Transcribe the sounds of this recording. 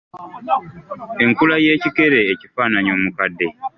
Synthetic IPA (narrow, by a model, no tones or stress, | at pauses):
e̞ŋkulaje̞ːcike̞ɾeːcifaːnaɲo̞ːmukadːe̞